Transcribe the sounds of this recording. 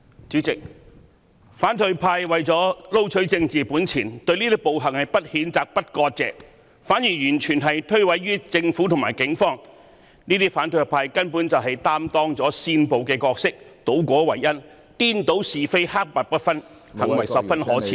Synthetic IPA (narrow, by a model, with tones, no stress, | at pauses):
t͡syː˨˥t͡sɪ˨k̚ | faː˨˥nt̪ʰɵ˧ɥpʰaː˧jwɐ˨jt͡ʃɔː˨˥lo˥wt͡ʃʰɵ˨˥ɥt͡sɪ˧ŋt͡siː˨˩puː˨˥nt͡sʰiː˨˩nt̪ɵ˧ɥniː˥t̪i˥po˨wɦɐ˨˩ŋhɐ˨jpɐ˥t̚hiː˨˥nt͡saː˨k̚pɐ˥t̚kɔː˧t̚t͡sɛ̰ː˨k̚ | faː˨˥njiː˨˩jyː˨˩nt͡ʃʰyː˨˩nɦɐ˨jt̪ʰɵ˥ɥwɐ˨˧˥jɥyː˥t͡sɪ˧ŋfuː˨˥t̪ʰʊ˨˩maː˨˩jkɪ˨˥ŋfɔː˥ŋ | niː˥t̪iː˥faː˨˥nt̪ʰɵ˧jpʰaː˧jkɐ˥npu˨˥nt͡sɐ˨wɦɐ˨jt̪aː˥mt̪ɔː˥ŋt͡sɔː˨˥siː˧npo˨wkɛː˧kɔː˧k̚sɪ˥k̚t̪o˨˥wkʷɔː˨˥wɐ˨˩jːɐ˥n | t̪iː˥nt̪o˨˥wsiː˨fe˥jhaː˥k̚paː˧t̚pɐ˥t̚fɐ˥n | hɐ˨˩ŋwɐ˨˩jsɐ˨p̚fɐ˥nɦɔː˨˥t͡sʰiː˨